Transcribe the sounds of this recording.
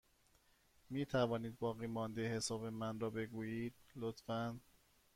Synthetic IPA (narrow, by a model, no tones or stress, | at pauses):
miːt̪ʰævɒːniːd̪̚bɒːɣiːmɒːnd̪ehe̞sɒːbemænrɒːbe̞ɡuːjiːd̪̥̚lot̪fæn